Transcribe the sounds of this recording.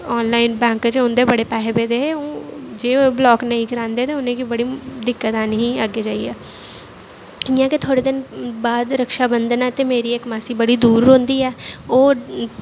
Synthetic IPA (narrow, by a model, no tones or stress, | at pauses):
ɔːnlaːɪnbɛ̃ːŋkt͡ʃeʊnd̪eːbəɽeːpɛːɦebeːd̪eːeõːd͡ʒeːoblɔːknəɦĩːkəɾãːnd̪eːt̪eːʊnẽːkibəɽiːd̪ɪkːət̪aːnɦĩːəɡed͡ʒaːiɛː | ɪjãːket̪ʰoːɽeːd̪ɪnbaːd̪ɾəkʃaːbənd̪ənɛːt̪emeːɾiːekmaːsiːbəɽiːd̪uːɾɦʊ̃nd̪iːɛːoː